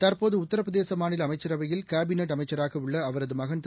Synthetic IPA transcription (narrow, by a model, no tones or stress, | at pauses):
t̪ɐɾpoːðɯʊt̪ːɐɾɐpɐðeːsɐmaːnɪlɐmɐɪt͡ʃːɐɾɐʋɐjɪlkaːbɪneʈ̬ɐmɐɪt͡ʃːɐɾaːɣɐɯɭːɐːʋɐɾɐðɯmɐɣɐnt̪